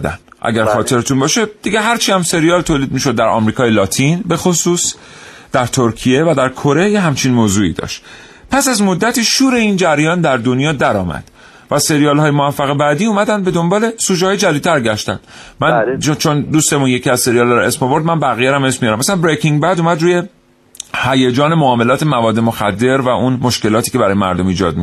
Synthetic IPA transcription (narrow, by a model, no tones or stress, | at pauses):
d̪æ̰nʔæ̰ɡæɾxɒːt̪ʰe̞ɾet̪ʰunbɒːʃed̪̥iɟeɦæɾt͡ʃʰiːhæmse̞ɾijɒːlt̪ʰoːliːd̪̚miːʃod̪ːæɾʔɒ̰ːmɾiːkʰɒːjelɒːt̪ʰinbe̞xo̞suːs | d̪̥æɾt̪ʰo̞ɾcʰijevæd̪æɾkʰo̞ɾe̞jeɦæmt͡ʃʰinmoːzuːḭːd̪ɒ̰ːʃt̪ | pʰæsæzmo̞d̪ːæt̪ʰiːʃuːɾe̞ind͡ʒæɾjɒːnd̪æɾd̪o̞njɒːd̪æɾɒ̰ːmæ̰d̪̥ | væse̞ɾijɒːlhɒːjemovæfːæɣebæd̪iːuːmæd̪ænd̪be̞d̪o̞mbɒːle̞suːd͡ʒhɒːjed͡ʒælid̪̚t̪ʰæɾɟæʃt̪æ̰nd̪̥mænt͡ʃʰond̪uːst̪emunje̞cʰiæzse̞ɾijɒːlɒɾɔe̞smovo̞ɾd̪mænbæɣijeɾæmesmijɒɾæmːæsænbɾekʰiŋɡbæd̪uːmæd̪ɾuːje̞ | hæjed͡ʒɒːne̞moɒːme̞lɒːt̪ʰe̞mævɒːd̪ːe̞moxæd̪ːe̞ɾvæʔunmo̞ʃke̞lɒːt̪ʰiːce̞bæɾɒːjemæ̰ɾd̪o̞miːd͡ʒɒ̰ːd̪̚mi